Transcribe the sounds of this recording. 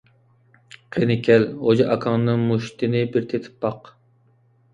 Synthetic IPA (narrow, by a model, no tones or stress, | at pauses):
qʰenɪkʲʰɛlhod͡ʒɑʔɑkʰɑŋnɨŋmuʃt̪ɪnɪbɪɾt̪ʰet̪ʰɪ̥p̚ːɑq